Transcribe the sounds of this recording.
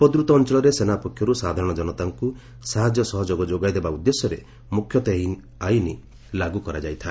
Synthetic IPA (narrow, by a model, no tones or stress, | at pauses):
pɔd̪ɾut̪ɔːnt͡ʃɔɭɔɾesenapɔkʰːjɔɾusad̪ʱaɾɔ̃ɽ̃ɔd͡ʒɔnɔt̪aŋku | saɦad͡ʒjɔsɔɦɔd͡ʒoɡɔd͡ʒoɡajd̪ebaud̪ːesɔɾḛ | mukʰːjɔt̪eɦin | aini | laɡukɔɾad͡ʒajt̪ʰã